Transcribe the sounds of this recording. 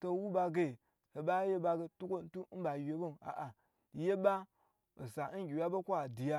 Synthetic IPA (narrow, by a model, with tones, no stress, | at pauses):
to˦wu˦ba˨ɡe˨ | he˨ba˦je˦ba˨ɡe˨tu˦ko˦n̩˦tu˦ba˨je˨bo˦na̰˨ʔa˨ | je˦ba˦ | o˨sa˨˦n˦ɡʲi˨wa˦ba˦kʷo˦a˨di˨ja˦